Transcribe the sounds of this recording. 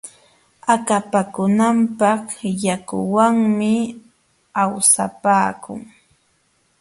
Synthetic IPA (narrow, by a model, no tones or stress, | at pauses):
akapakʊnampɑχjakʊ̰waŋmɪ | awsapaːkʊ̰ŋ